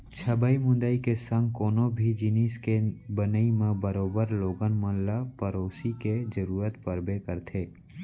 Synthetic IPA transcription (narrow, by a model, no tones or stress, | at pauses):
t͡ʃʰəbəimʊ̃nd̪aikesə̃ŋɡ̚koːnõbʱid͡ʒɪniːskebənəimẽbəɾoːbəɾloːɡənmə̃llapəɾoːsiked͡ʒəɾuːɾət̪pəɾbekəɾt̪ʰeː